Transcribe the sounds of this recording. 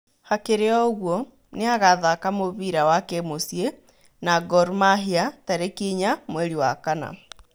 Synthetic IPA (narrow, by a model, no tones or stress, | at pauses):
hakeɾeɔɣwɔ | neaɣaðakamoβiɾawakɛmosje | naɡɔɾmaɦiataɾekiɲamwɛɾiwa̰kana̰